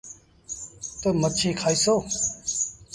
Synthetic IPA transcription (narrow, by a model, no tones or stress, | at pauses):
t̪omət͡ʃʰiːkʰaːiːsoː